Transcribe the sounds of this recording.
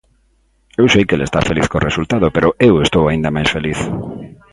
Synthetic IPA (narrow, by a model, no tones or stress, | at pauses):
ewsejkelest̪a̰feliθkorʔesult̪að̞opeɾʊʔewest̪owaĩnd̪ɐmajsfeliθ